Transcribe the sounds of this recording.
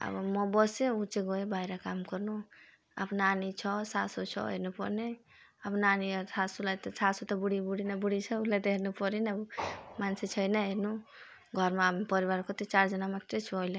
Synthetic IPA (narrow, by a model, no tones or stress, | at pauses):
a̰bmɔbɔsẽut͡ʃeɡɔebajɾakamkɔɾnu | a̰bnanit͡ʃʰɔsasut͡ʃʰɔ̰ɦḛnupɔɾne | abnanisʰasulat̪ɔsasut̪ɔbuɽibuɽinabuɽit͡ʃʰɔulat̪ɔɦeɾnupɔɾinabumanset͡ʃʰʌjnaɦenu | ɡʱɔɾmepʌɾiβaɾkɔt̪et͡ʃaɾd͡ʒʌnamat̪et͡ʃʰuɔle